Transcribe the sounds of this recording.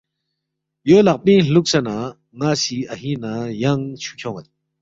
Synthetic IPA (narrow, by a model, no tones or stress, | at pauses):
jølak̚piɬuk̚sana | ŋasiʔaɦinajaŋt͡ɕʰu̥kʰɔŋa